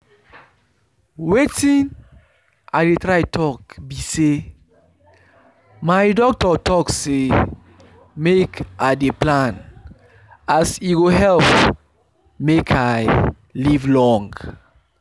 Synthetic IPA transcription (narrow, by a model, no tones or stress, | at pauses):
wetĩn | a̰detɹaɪtʰɔkbise | maɪdɔk̚tɔtɔkse | mekadeplãn | asiɡoɦɛlp | mekʰaɪ | livlɔ̃ŋɡ